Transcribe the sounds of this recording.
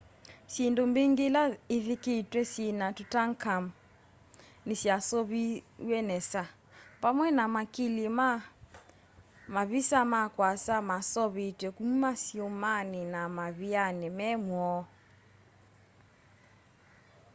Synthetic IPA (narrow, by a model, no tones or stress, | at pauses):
sindombeŋɡelaiðiketwɛsinatutaŋkam | nisjasɔβiwɛnɛsa | pamwɛnamakilima | maβisamakwasamasɔβitwɛkumumasiomaninamaβianɛmɛmwɔ